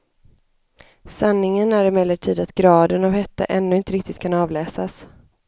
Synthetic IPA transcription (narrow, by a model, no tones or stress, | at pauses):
sanːɪŋənæɾɪmɛlːəʈʰiːd̪at̪ɡɾɑːd̪ənavhɛt̪ːa̰ʔɛnːɵɪnt̪əɾɪk̚t̪ɪt̪̚kʰanɑːvlɛːsas